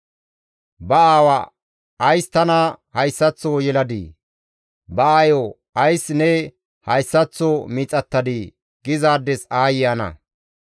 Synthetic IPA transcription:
bɐaːwɐ | ɐjst̪ɐnɐhɐjsːɐt͡sːɔjɛlɐd̪ḭ | bɐajo | ɐjsnɛ | hɐjsːɐt͡sːɔmiːt͡sʼɐt̪ːɐd̪i | ɡ̥ɪzaːd̪ːɛsaːjɪjɐnɐ̰

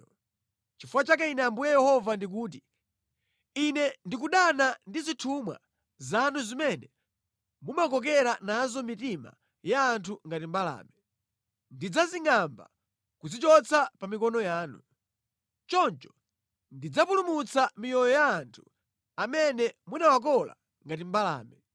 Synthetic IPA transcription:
t͡ʃifuwat͡ʃak̬ainɛambujɛjɛhɔvandik̬uːt̬i | inɛndik̬uɗanandizitʰumwa̰ | zanuzimɛnɛ | mumakɔk̬ɛɾanazɔmitima̰ | jaːntʰuŋɡatimbala̰ːmɛ | ndid͡zaziŋamba̰ | kuzit͡ʃɔt͡sapamikɔnɔjaːnu | t͡ʃɔnt͡ʃɔ̥ | ndid͡zapulumut͡sʰamijɔjɔjaːntʰu̥ | amɛnɛmunawak̬ɔla̰ | ŋɡat̬imbala̰ːmɛ

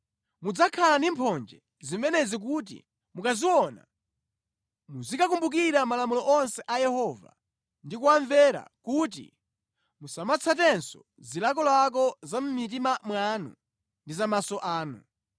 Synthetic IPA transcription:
mud͡zakʰalandimpʰɔnd͡ʒɛ | zimɛnɛzik̬ut̬ḭ | mukaziwɔna̰ | muzikak̬umbuk̬iɾamalamulɔʔɔnsɛʔajɛhɔva̰ | ndikuwaɱvɛɾa̰kut̬ḭ | musamat͡sʰatɛnsɔ | zilak̬ɔlak̬ɔzam̩mit̬imamwanṵ | ndizamasɔʔaːnṵ

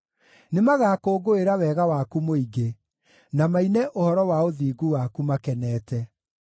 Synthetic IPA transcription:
nemaɣaːkoːɡoeɾawɛːɣawakumoiɡe | namainɛʔohɔɾɔwaoðiːɡuwakumakɛnɛːtɛ

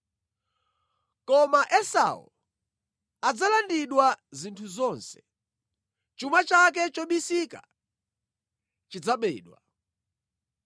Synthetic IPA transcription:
kɔmaʔɛsa̰ṵ | ad͡zalandiɗwazintʰuzɔnsɛ̥ | t͡ʃumat͡ʃak̬ɛt͡ʃɔɓisika | t͡ʃid͡zaɓɛ̰ːɗwa̰

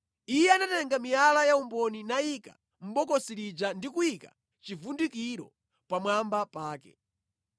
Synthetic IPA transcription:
ijɛanatɛŋɡamijalajaumbɔninaika̰ | m̩ɓɔkɔsiɾid͡ʒandikuika̰ | t͡ʃivundikiɾɔ̰ | pamwambapaːkɛ̰

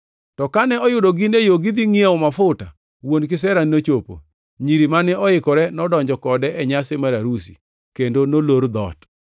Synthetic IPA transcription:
tɔkanɛɔjʊdoɡɪnejoɡɪd̪iŋiawmafʊta̰ | wonkɪsɛɾannot͡ʃopo̰ | ɲiɾimanɛɔɪkɔɾɛnɔdɔɲd͡ʒɔkɔdɛɛɲasemaɾaɾusḭ | kendonoloɾd̪ɔ̰t

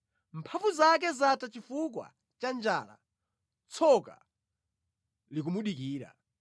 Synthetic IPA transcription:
m̩pʰavuzak̬ɛzatat͡ʃifukwa̰ | t͡ʃand͡ʒaːla̰ | t͡sʰɔka̰ | lik̬umuɗikiːɾa̰

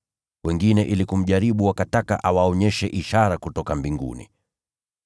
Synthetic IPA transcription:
wɛŋɡinɛʔilikum̩ʄaɾiɓuwakatakaʔawaɔɲɛʃɛʔiʃaɾakutɔkambiŋɡṵnḭ

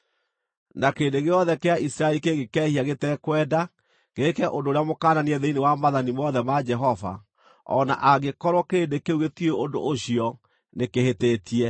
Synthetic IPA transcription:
nakeːndeɣeɔðɛkeaisɾaelikeɣekɛːhiaɣetɛkwɛːda | ɡekɛʔondoːɾeamokaːnaniɛðeinewamaðanimɔðɛmad͡ʒɛɦɔva̰ | ɔ̰na̰ʔaɣekɔɾwɔkeːndekeuɣetieondo̰ʔoɕiɔ | nekehetetiɛ

